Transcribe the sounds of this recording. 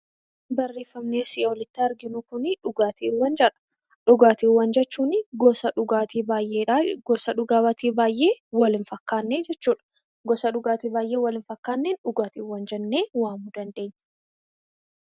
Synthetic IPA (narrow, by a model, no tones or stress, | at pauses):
bɐrːe̞ːfːɐmneːsɪʔɔlɪt̪ːiɐɾɡɪnʊkʊnɪᶑʊɡaːt̪iːwːɐnd͡ʒɐᶑɐ̥ | ᶑʊɡaːt̪iːwːɐnd͡ʒɛt͡ʃːuːnɪɡɔsɐʊat̪iːbaːjʔeːᶑaɡɔsɐᶑʊɡaːbɐt̪iːbaːjʔe̞ːwɐlɪnfɐkːaːnːeːd͡ʒɛt͡ʃːuːᶑɐ̥ | ɡɔsɐᶑʊɡaːt̪iːbaːjʔeːwɐlɪnfɐkːaːnːenᶑʊɡaːt̪iːwːɐnd͡ʒɛnːe̞ːwaːmud̪ɐnd̪e̞ːɲː